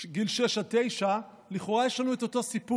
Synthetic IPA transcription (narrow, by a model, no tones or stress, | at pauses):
ɡilʃeʃat̪e̞jʃa | liχoʁajeʃlanueto̞to̞sipu